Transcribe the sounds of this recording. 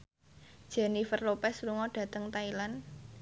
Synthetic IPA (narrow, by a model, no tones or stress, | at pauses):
d̥ʒ̥ɛ̤nifərlopɛsɾuŋɔɖ̥ä̤t̪əŋt̪ailan